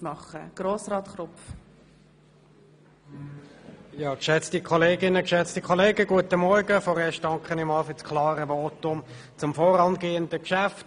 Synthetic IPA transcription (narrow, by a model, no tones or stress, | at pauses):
mɑχə̰ɡ̥ɾoːsrɑːt̪χɾʊpf | jɑːkʃɛt͡stikʰɔleːɡɪnəkʃɛt͡stikʰɔleːɡəɡuətəmɔɾɡəfɔːɾɛːɐʃt̚dɑŋkχənɪmɑːlfyskʰlɑːɾəvoːtʊm | t͡sʊmfɔɾɑnɡeːəndəkʃæft